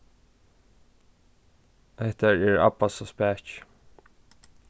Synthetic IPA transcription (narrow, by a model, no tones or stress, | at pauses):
ɛht̪aɹɛɹa̰pasɔspɛːt͡ʃ